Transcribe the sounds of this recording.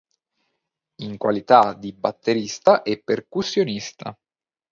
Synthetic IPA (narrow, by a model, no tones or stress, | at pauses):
iŋkwa̰lit̪ad̪ibat̪ʰːeɾist̪aʔɛpːerkusːjonist̪ʰa